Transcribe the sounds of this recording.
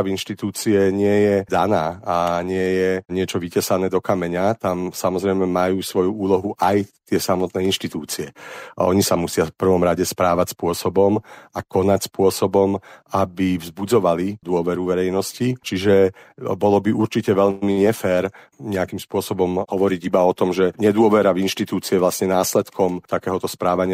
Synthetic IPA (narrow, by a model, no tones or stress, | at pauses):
avinʃt̪it̪uːt͡siɛɲɪɛjɛd̪anaːaɲɪɛjɛɲɪɛt͡ʃɔʋicɛsanɛːd̪ɔkamɛɲat̪amsamɔzɾɛɪmɛmajuːsʋɔjuuːlɔɦuʔajt̪ɪɛsamɔt̪nɛːinʃt̪it̪uːt͡siɛɔ̰ɲisamusɪafpr̩ʋɔmɾaɟɛspɾaːʋacspʊɔsɔbɔmakɔnacspʊɔsɔbɔmabivzbud͡zɔʋalid̪ʊɔʋɛɾuʋɛɾɛjnɔscit͡ʃiʒɛbɔlɔbiuɾt͡ʃicɛʋɛlmiɲɛfɛːɾ | ɲɛakimspʊɔsɔbɔmhɔʋɔɾiɟibaɔt̪ɔmʒɛɲɛd̪ʊɔʋɛɾavinʃt̪it̪uːt͡siɛʋlasɲɛnaːslɛt̪kʰɔmt̪akɛːɦɔt̪ɔspɾaːʋaɲɪa